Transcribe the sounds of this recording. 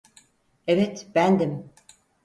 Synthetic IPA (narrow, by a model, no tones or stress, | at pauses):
evet̪b̥ænd̪im